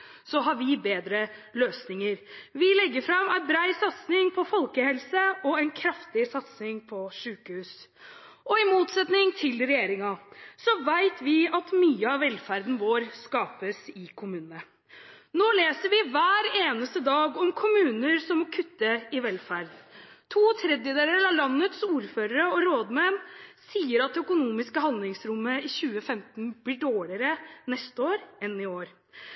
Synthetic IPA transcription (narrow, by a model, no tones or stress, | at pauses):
sɔɦɑɾʋɪbeːd̪ɾəløːsnɪŋəɾʋɪlɛɡːəɾfɾɑmæɪnbɾæɪsɑt̪snɪŋpʰɔfɔlkəhɛlsəɔæɪnkʰɾɑft̪ɪsɑt̪snɪŋpʰɔʂʉːkəhʉːs | ʔɔɪmuːt̪sɛt̪nɪŋt̪ʰɪlɾɛjeːɾɪŋɑsɔʋæɪt̪ʰʋɪɑt̪myːəɑʋʋɛlfæɾd̪n̩ʋoːɾskɑːpəsɪkʰʊmʉːnənə | noːleːsəɾʋɪʋæːɾeːnəst̪əd̪ɑːɡɔmkʰʊmʉːnəɾsɔmɔkʰʉt̪ːəɪʋɛlfæɾd̪t̪ʰuːt̪ʰɾɛd̪jəd̪eːɾəlɑlɑnːət̪suːɾføːɾəɾəɔɾoːd̪mɛmsiːəɾɑt̪̚ɛœkʊnuːmɪskəhɑnd̪lɪŋsɾʊmːəɪçʉːəfɛmt̪n̩blɪɖoːɭɪəɾənɛst̪əoːɾɛnɪoːɾ